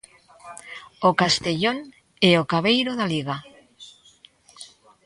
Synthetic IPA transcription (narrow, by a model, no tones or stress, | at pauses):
okast̪eʎoŋ | ɛokaβejɾoðaliɣa